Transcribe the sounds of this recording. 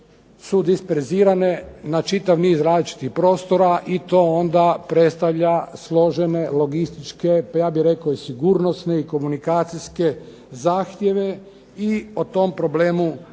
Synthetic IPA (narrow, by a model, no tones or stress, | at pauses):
sud̪ispeɾziːɾane̞nat͡ʃit̪aʋniːzɾaːzlit͡ʃi̥t̪ixpɾo̞ːst̪o̞ɾaʔit̪o̞ːond̪apɾet̪st̪aʋʎaslˠo̞ʒene̞lo̞ɡist̪it͡ʃkejaːbiɾe̞koisiɡuːɾnost̪ne̞iko̞munikaːt̪sijske̞ | zaːxt̪je̞ʋe̞ | iot̪o̞mpɾo̞ble̞ːmu